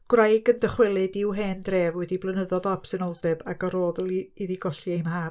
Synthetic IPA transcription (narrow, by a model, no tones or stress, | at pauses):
ɡ̥wrajɡəndəχwɪlˠɨdɪwɦeːndreːvwɛdiblˠənəðɔðɔpsɪnɔlˠdɛbaɡaɾoːðlˠiðiɡɔɬjejmhaː